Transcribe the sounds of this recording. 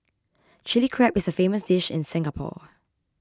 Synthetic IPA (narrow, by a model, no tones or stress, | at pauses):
t͡ʃɪlikʰɹɛpɪsəfeːməsd̥ɪʃɪ̰̃nsɪ̃ŋəpʰɔ̰